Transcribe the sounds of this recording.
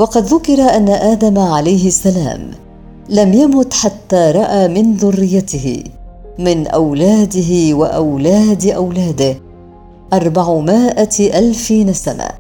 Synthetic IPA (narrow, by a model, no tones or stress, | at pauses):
wɑqɑd̪ðʊkɪɾˤaʔanːaʔaːd̪amʕalajɦɪasːala̰ːm | lamjamʊt̪ħat̪ːaːɾˤɑʔaːmɪnðʊrːɪjːat̪ɪhɪ̰ | mɪnʔa̰wlaːd̪ɪɦɪwaʔawlaːd̪ʔawlaːd̪ɪh | ʔɑɾˤbaʕmɪːʔaʔalfiːnasana̰ː